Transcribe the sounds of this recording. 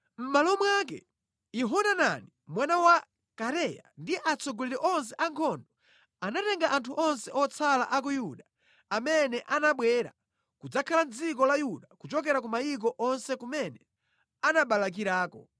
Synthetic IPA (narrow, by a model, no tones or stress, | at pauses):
m̩malɔmwak̬ɛ̰ | iɦɔnana̰nimwanawa | kaɾɛja̰ndiʔat͡sɔɡɔliɾɛʔɔns̬ɛʔaŋkʰɔndɔ | anatɛŋɡaʔantʰuʔɔnsɛʔɔt͡sʰala̰ʔak̬ujuɗa | amɛnɛʔanaɓwɛɾa̰ | kud͡zakʰaland͡zikɔlajuɗakut͡ʃɔk̬ɛɾakumajik̬ɔʔɔnsɛkumɛnɛ | anaɓalak̬iɾaːkɔ̰